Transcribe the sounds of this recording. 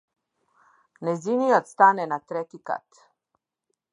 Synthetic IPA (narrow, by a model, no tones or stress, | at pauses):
nɛziniot̪st̪anɛnat̪ɾɛkika̰t̪